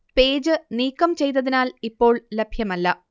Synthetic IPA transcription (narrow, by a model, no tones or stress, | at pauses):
pe̞ːd͡ʑɨniːkːɐmt͡ɕe̞jt̪ːɐðinaːlipːo̞ːɭlebʱjɐmɐlːɐ